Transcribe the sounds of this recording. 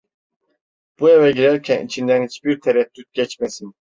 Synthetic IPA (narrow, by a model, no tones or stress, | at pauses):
b̥uevɛɟiɾæɾcʲʰɛnḭt͡ʃʰind̪ænit͡ʃbiɾt̪ʰɛɾɛt̪ːyt̪̚ɟʲɛt͡ʃmɛsin